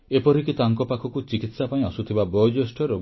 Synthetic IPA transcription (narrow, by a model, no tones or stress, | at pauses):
epɔɾikit̪aŋkɔpakʰɔkut͡ʃikit̪sapaĩɔsut̪ʰibabɔd͡ʒesʈɔɾo